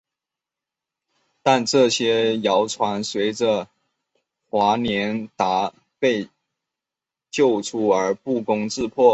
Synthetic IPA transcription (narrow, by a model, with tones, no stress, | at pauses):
t̪a˥˧nʈ͡ʂɤ˥˩ɕjɛ˥jɑ˧˥ʊʈ͡ʂʰwa˧˥nswe˧˥ɪʈ͡ʂə˧ | xwa˧˥njɛ˧˥nt̪a˧˥ | pe˥˧ɪ | t͡ɕjo˥˩ʊʈ͡ʂʰu˥˩ə˞˧˥pu˥˩kʊ˥ŋt͡sɻ̩˥˧pʰwɔ˥˩